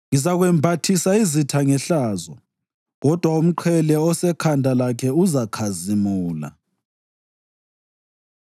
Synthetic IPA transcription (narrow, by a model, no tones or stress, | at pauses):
ŋizaɣwɛmbʱatʰisaizitʰaŋɛɬaːzɔ | ɣɔd̥ʱwaum̩ǃʰɛlɛɔsɛkʰandʱalakʰɛuzakʰazimuːla̰